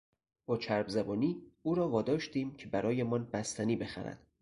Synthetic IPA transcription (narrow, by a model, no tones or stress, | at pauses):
b̥ɒːt͡ʃʰæɾbzæbɒːniːuːɾɒːvɒːd̪ɒːʃt̪iːmcʰe̞bæɾɒːjemɒːnbæst̪ʰæniːbe̞xæ̰ɾæ̰d̪̥